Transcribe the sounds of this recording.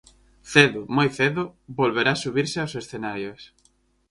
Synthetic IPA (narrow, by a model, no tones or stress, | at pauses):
θeðʊmojθeðʊβolβeɾasuβiɾsɪawsesθenaɾjos